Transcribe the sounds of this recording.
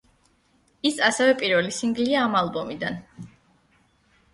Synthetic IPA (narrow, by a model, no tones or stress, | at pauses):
isasɛvɛpʼiɾvɛlisiŋɡliaːmalˠbɔmid̪an